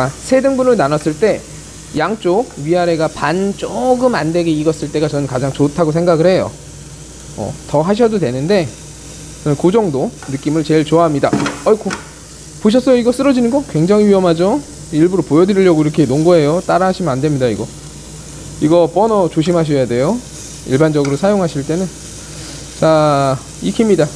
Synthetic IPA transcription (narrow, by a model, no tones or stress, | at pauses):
asʰe̞dɯŋbunɯɭnanʌs͈ɯɭt͈e̞ | jaŋt͡ɕ͈oɡɥiaɾe̞ɡapant͡ɕ͈oɡɯmande̞ɡiiɡʌs͈ɯɭt͈e̞ɡat͡ɕʌnɯnkad͡ʑaŋt͡ɕotʰaɡosʰe̞ŋɡaɡɯɭɦe̞jo̰ | ʌ̰tʌɦaɕ̬ʰʌdodwe̞nɯnde̞ | t͡ɕʌnɯnkud͡ʑʌŋdonɯk͈imɯɭt͡ɕe̞ɭt͡ɕoaɦamɲida̰ʌkʰo | poɕ̬ʰʌs͈ʌjoiɡʌs͈ɯɾʌd͡ʑinɯnɡʌkwe̞ŋd͡ʑaŋiɥiʌmɦad͡ʑo | iɭbuɾopojʌdɯɾiʎjʌɡoiɾʌkʰe̞noŋɡoɦe̞jot͈aɾaɦaɕʰimɯnandwe̞mɲidaiɡʌ | iɡʌp͈ʌnʌt͡ɕoɕ̬ʰimɦaɕ̬ʰʌjade̞jo | iɭband͡ʑʌɡɯɾosʰajoŋɦaɕʰiɭt͈e̞nɯn | t͡ɕa | ikʰimɲida